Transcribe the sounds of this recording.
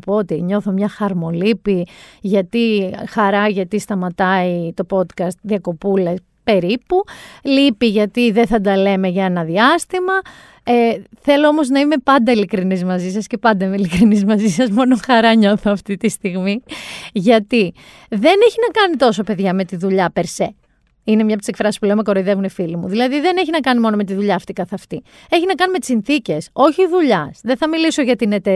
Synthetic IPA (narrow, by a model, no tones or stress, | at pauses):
poot̪iɲo̞θomɲɐxɐɾmo̞lipiʝɐt̪ixɐɾɐʝɐt̪ist̪ɐmɐt̪ɐit̪o̞po̞d̪kɐst̪ðiɐko̞pules | pe̞ɾipulipiʝɐt̪iðeθɐd̪ɐle̞me̞ʝɐe̞nɐðiɐst̪imɐ | eθe̞lo̞omo̞znɐime̞pɐnd̪ɐilikɾinizmɐzisɐsce̞pɐnd̪ɐimeilikɾinizmɐzisɐzmo̞no̞xɐɾɐɲo̞θoɐft̪it̪ist̪iɣmiʝɐt̪i | ðe̞neçinɐkɐnit̪o̞so̞pe̞ðʝɐme̞t̪iðuʎɐpe̞ɾse | ine̞mɲɐpot̪iskfɾɐsispule̞omeko̞ɾo̞iðe̞vunefilimṵðilɐðiðe̞ne̞çinɐkɐnimo̞no̞me̞t̪̬iðuʎɐːft̪ikɐθeɐft̪i | e̞çinɐkɐnime̞t̪i̥sinθice̞so̞çiːðuʎɐsðeθɐmiliso̞ʝɐt̪ine̞t̪e